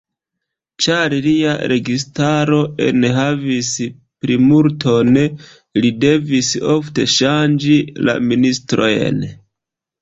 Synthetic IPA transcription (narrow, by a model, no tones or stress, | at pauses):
t͡ʃaɾlia̰ɾʔe̞ɡistaɾo̞ʔḛnɦavis | pɾimuɾtʰo̞n | lide̞viso̞fte̞ʃand͡ʒila̰ministɾo̞jḛn